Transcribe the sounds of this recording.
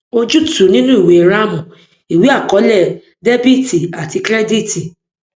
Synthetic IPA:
o˦d͡ʒu˦tu˨nĩ˦nũ˦i˨we˨ɾa˦mũ˨ | i˨wi˨˦a˦˨kɔ˨˦lɛ˦˨ | de˦bi˦ti˨a˨ti˧kɾɛ˦di˦ti˨

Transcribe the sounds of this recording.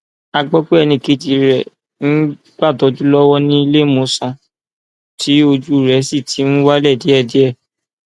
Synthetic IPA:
a˧ɡ͡bɔ˦k͡pe˦ɛ˧nĩ˧˨ki˧˦d͡ʒi˨˧ɾɛ˨ | n̩˦ | ɡ͡ba˦˨dɔ˨˧˦d͡ʒu˦lɔ˦wɔ˦nĩ˦i˧le˦mõ˨˦sã˧ | tʰi˨˦o˧d͡ʒu˦˨ɾɛ˨˦si˦˨tʰi˨˦ñ̩˦wa˦lɛ˦˨di˨˦ɛ˦˨di˨˦ɛ˦˨

